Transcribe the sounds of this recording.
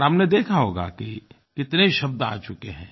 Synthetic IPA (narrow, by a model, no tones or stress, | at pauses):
ɦəmned̪eːkʰaɦoːɡa̰ki | kɪt̪neʃɐb̚d̪a̰ːt͡ʃʊkḛɦɛ̃ː